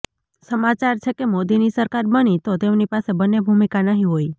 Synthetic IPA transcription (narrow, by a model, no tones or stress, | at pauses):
səmat͡ʃaɾt͡ʃʰekemod̪inisəɾkaɾbənit̪ot̪emnipasebənːebʱumikanəɦĩɦoi